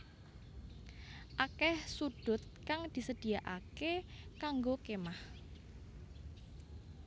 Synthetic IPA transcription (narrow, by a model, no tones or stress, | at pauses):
ʔakɛhsuɖ̥ʊ̤t̪̚kaŋd̪̥i̤səd̪̥i̤jaʔa̰kekaŋɡokemah